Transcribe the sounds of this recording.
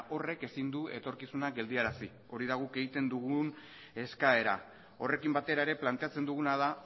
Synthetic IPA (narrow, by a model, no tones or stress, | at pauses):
ʔo̞re̞ke̞sind̪ue̞t̪o̞ɾkisunaɡe̞ld̪iaɾasi | o̞ɾiðaɣuke̞ɣit̪e̞nd̪uɣun | e̞skae̞ɾa̰ | o̞re̞kimbat̪e̞ɾae̞ɾe̞plant̪e̞at͡se̞nd̪uɣ̞unaða